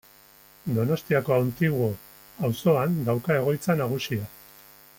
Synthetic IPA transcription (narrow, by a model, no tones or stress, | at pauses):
d̪o̞no̞st̪iako̞awnt̪iɣo | awso̞anɡ̪awkae̞ɣ̞o̞jt͡sanaɣ̞usia